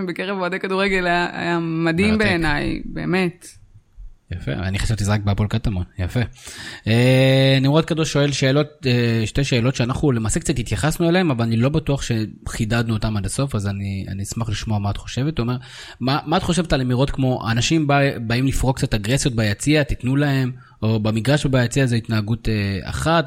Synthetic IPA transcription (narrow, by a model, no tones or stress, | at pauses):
bekeʁevadejkaduʁeɡe̞lajaa̰jamadimbeːnajbe̞̰ːme̞t | jafe̞̰a̰niχḁʃevt̪izʁak̚beapo̞lkatamonjafe̞enimʁot̪̚kadoʃo̞e̞lʃe̞ːlo̞t̚eʃte̞ʃe̞ːlo̞tʃeanaχnule̞maːse̞k̚t͡sat̪itjaχasnueleemavalanilo̞batuaχʃe̞χidad̪nuotamadaso̞fazania̰nismaχliʃmo̞amaːt̪χo̞ʃe̞ve̞t̪uome̞ʁ | mamaːt̪χo̞ʃe̞vetalemiʁo̞t̪kmo̞ʔa̰naʃimbabaimlifʁokt͡sat̪aɡʁesjo̞t̚bajat͡siat̪it̪nulahe̞m | o̞bamiɡʁaʃbajat͡siazeit̪naːɡutea̰χat